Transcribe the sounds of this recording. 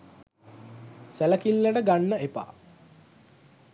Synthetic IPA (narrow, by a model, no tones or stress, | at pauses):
sæləkilːəʈəɡanːəepa̰ː